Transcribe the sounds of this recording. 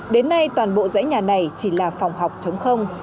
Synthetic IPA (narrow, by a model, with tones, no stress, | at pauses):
ɗe˨˦nːa˧jt̪waː˨˩nɓo̰˧˨zə̰ː˧˥jɲaː˨˩na˨˩jt͡ɕi˧˩laː˨˩fa˨˩wŋ͡mɦa˨˩wk͡p̚t͡ɕə˨˦wŋ͡mxə˧wŋ͡m